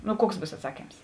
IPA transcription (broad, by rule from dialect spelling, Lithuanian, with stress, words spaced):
nʊ ˈkuɔks ˈbuːs ɐtˈsɑːkʲiːms